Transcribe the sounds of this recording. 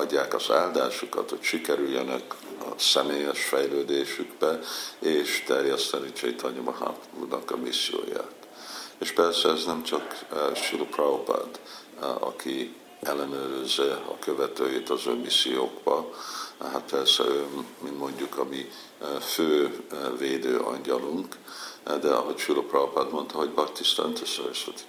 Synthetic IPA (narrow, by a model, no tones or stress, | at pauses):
ɒɟːaːkɒz̥aːld̪aːʃukɒ̰t̪hocʃikɛɾyljɛnɛkɒsɛmeːjɛʃfɛjløːd̪eːʃyɡbɛeːʃt̪ɛrjɛst̪ɛniɲt͡ʃɛit̪ʰɒɲomɒɦa̰pṵːrnɒkɒmisːijo̰ːja̰ːt̪ | eːʃpɛrsɛɛznɛmt͡ʃɒkʃilkrawpa̰rd̪ | ɒ̰kʰi | ʔɛlːɛnøːɾyzːɛɒ̰køvɛt̪øːjet̪ɒzømmisːijoːɡbɒ | ɦat̪̚pɛrsɛ̰ømminmo̞ɲɟukɒmi | føːveːd̪øːʔɒ̰ɲɟɒluŋkd̪ɛɒ̰ɦo̞cʃulopraopad̪mo̞nt̪ɒɦo̞ɟbɒkt̪ist̪a̰nt̪øsːɛøsɛt̪i̥